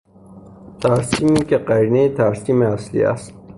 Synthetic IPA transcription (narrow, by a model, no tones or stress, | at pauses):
t̪ʰaɾsiːmiːkeqæɾnejet̪ʰaɾsiːmeaslḭːa̰st̪̚